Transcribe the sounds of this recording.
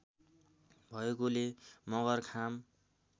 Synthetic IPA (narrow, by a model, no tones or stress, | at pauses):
bʱʌekolemʌɡʌrkʰam